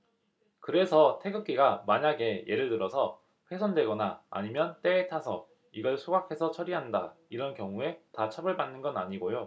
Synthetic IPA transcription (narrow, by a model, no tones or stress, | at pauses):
kɯɾe̞sʰʌtʰe̞ɡɯk͈iɡamaɲaɡe̞je̞ɾɯɭtɯɾʌsʰʌ | ɸwe̞sʰʌndwe̞ɡʌnaa̰ɲimjʌnt͈e̞ːtʰasʰʌ̰ | iɡʌɭsʰuɡakʰe̞sʰʌt͡ɕʰʌɾiɦandaiɾʌnkjʌŋue̞tat͡ɕʰabɯɭbanːɯnɡʌna̰ɲiɡojo